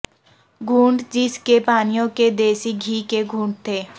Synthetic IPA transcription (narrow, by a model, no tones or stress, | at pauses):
ɡʱũːɳɖd͡ʒɪskepaːnijõked̪eːsiɡʱiːkeɡʱũːɳɖ̚t̪ʰeː